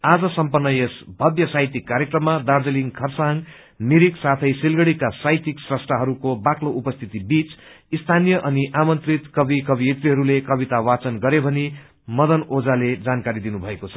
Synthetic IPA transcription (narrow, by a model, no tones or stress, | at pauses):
ad͡zʌsʌmpʌnːʌjesbʱʌd̪jʌsajt̪ikːaɾjekrʌmːad̪ard͡zʌliŋkʰʌrsaŋ | miɾiksat̪ʰʌjsilɡʌɽikasajt̪iksrʌsʈraɦʌɾukobakloʔupʌst̪ʰit̪ibit͡s | ist̪ʰanijʌʔʌniʔamʌnt̪rit̪kʌbikʌbiet̪riɦʌɾulekʌbit̪awat͡sʌnɡʌɾebʱʌni | mʌd̪ʌnod͡zaled͡zankaɾid̪inubʱʌekot͡sʰʌ̥